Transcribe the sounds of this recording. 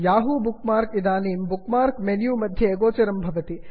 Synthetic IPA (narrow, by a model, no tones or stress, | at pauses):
jaːɦubukmaːɾkid̪aːniːmbukmaːɾkmenjuːmɐd̪ʱjɐːɡoːt͡ʃɐɾɐmbʱɐʋɐt̪i